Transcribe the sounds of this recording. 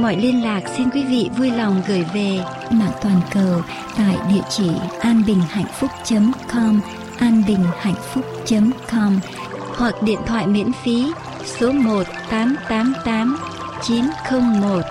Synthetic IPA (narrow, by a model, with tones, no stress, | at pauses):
mɔ̰˧˩˨jli˧ənlaː˨˩k̚si˧nkwi˨˦vḭ˧˨vu˧jla˨˩wŋ͡mɣɨː˧˩jve˨˩ | ma̰ː˧˨ŋt̪waː˨˩nkəː˨˩w | t̪a̰ː˧˨jɗḭ˧˨ət͡ɕi˧˩ʔaː˧nɓï˨˩ŋ̟ha̰˧˨jŋ̟fʊ˦˥k͡p̚t͡ɕə˨˦mkɔ˧m | ʔaː˧nɓï˨˩ŋ̟ha̰˧˨jŋ̟fʊ˦˥k͡p̚t͡ɕə˨˦mkɔ˧m | hwa˨˩k̚ɗḭ˧˨ənt̪ʰwa̰ː˧˨jmḭ˧˥ənfi˨˦ | so˨˦mo˨˩t̚t̪aː˨˦mt̪aː˨˦mt̪aː˨˦m | t͡ɕi˨˦nxə˧wŋ͡mmo˨˩t̚